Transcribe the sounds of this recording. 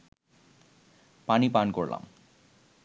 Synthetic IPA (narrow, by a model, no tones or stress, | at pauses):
panipankoɹla̰m